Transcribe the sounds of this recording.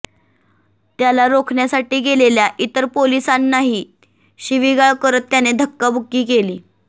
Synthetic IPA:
t̪jalaɾokʰɳjasaʈiːɡeleljaʔit̪əɾpolisanːaɦiː | ɕiʋiɡaɭkəɾət̪ːjaned̪ʱəkːəbʱukːiːkeliː

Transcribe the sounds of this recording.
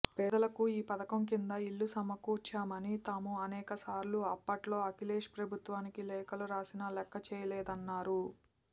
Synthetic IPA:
pɛːd̪ɐlɐkuiːpɐd̪ɐkɐmk̬ind̪ɐiɭːusɐmɐkuːt͡ʃːaːmɐnit̪aːmuɐnɛːkɐsaːɾluɐpːɐʈlo̞ːɐkileːʃpɾɐbʱut̪ʋaːnikilɛːkɐluɾaːsinɐlɛkːɐt͡ʃɛːjɐlɛːd̪ɐnːaːɾu

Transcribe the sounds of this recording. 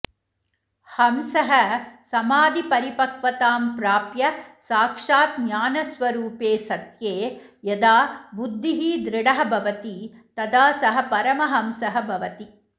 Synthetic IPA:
hɐmsɐɦɐsɐmaːd̪ipɐɾipɐkʋɐt̪aːmpɾaːpjɐsaːkʂaːt̪njaːnɐsʋɐɾuːpeːsɐt̪jeː | jɐd̪aːbud̪ʱːiɦiːd̪ɾɪɽɐɦɐbʱɐʋɐt̪it̪ɐd̪aːsɐɦɐ̆pɐɾɐmɐɦɐmsɐɦɐbʱɐʋɐt̪i

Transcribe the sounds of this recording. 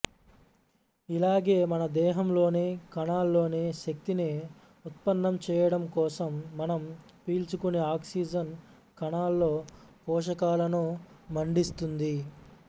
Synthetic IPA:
ilaːɡe̞ːmɐnɐd̪ɛːɦɐmlo̞ːneːkɐɳaːlːo̞ːneːʃɐk̚t̪ine | ut̪̚pɐnːɐmt͡ʃɛːjɐɽɐmkɔːsɐmːɐnɐm | piːlt͡ʃukuneaːksiːd͡ʒɐn | kɐɳaːlːo̞ːpɔːʂ̬ɐkaːlɐnumɐɳɖist̪und̪i

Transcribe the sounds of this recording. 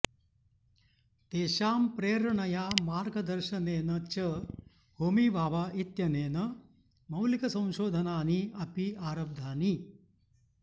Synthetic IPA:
t̪eːʃaːmpɾeːɾɐɳɐjaːmaːɾɡɐd̪ɐɾʃɐneːnɐt͡ʃɐ | ɦoːmiːʋʱaːʋaːʔit̪jɐneːnɐ | mɐwlikɐsɐ̃w̃ʃoːd̪ʱɐnaːniɐpiaːɾɐb̚d̪ʱaːni

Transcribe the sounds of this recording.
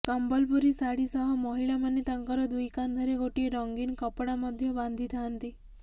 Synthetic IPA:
kambəlpuɾisaɽisəɦɔmɔɦiɭamanːit̪aŋkəɾɔd̪ʋujkand̪ʱəɾeɡoʈieɾɔŋɡinkəpɽaməd̪ʱːjebãnd̪ʱit̪ant̪i

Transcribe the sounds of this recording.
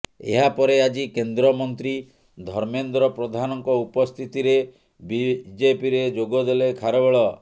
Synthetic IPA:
ḛɦapɔɾead͡ʒikend̪ɾɔmɔnt̪ɾi | d̪ʱɔɾmend̪ɾɔpɾɔd̪ʱanɔŋkɔupɔst̪ʰit̪iɾe | bid͡ʒepiɾed͡ʒoɡɔd̪elekʰaɾɔbɔɭɔ

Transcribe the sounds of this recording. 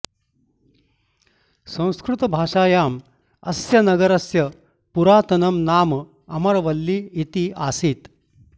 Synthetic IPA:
sɐ̃w̃skɾut̪bʱaːʂaːjaːm | ɐ̰sjɐnɐɡɐɾɐsjɐ | puɾaːt̪ɐnɐmnaːm | ɐmɐɾʋɐlːiːit̪iːʔasiːt̪

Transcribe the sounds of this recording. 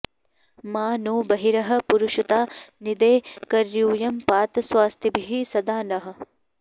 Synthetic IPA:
maːnuːbɐɦiɾɐɦɐ̆puɾuʃut̪aːnid̪eːkɐɾjuːjɐmpaːt̪swaːst̪ʰibʱiɦisɐd̪aːnɐɦɐ̆

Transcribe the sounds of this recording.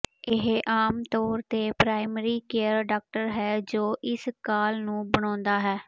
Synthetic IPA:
ɪɦʔaːmt̪ɔːɾt̪eːpɾaːɪməɾiːkeːəɾɖaːk̚ʈəɾɦɛːd͡ʒoːʔɪskaːlnũːbəɽ̃ɔ̃ːnd̪aːɦɛː

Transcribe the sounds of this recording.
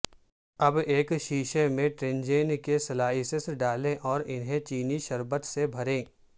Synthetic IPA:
ɐbeːkʃiːʃemẽʈɾẽnd͡ʒeːnkesɐlaːɦisesɖaːlẽʔɔːɾɪnɦẽt͡ʃiːniʃɐɾbət̪sebʱɐɾẽː

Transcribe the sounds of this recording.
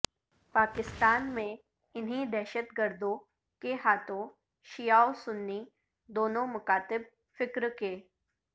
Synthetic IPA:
paːkɪst̪aːnmẽ | ɪnɦid̪ɛɦʃət̪ɡəɾd̪õ | keɦaːt̪ʰõ | ʃijaːosʊnːi | d̪oːnõmʊkaːt̪ɪb̚ | fɪkɾkeː

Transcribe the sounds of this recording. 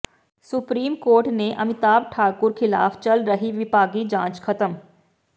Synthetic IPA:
sʊpɾiːmkoːɾʈneʔɐmɪt̪aːb̚ʈʰaːkʊɾkʰɪla̰ːft͡ʃɐlɾɐɦiʋɪpaːɡid͡ʒãːt͡ʃkʰɐt̪əm

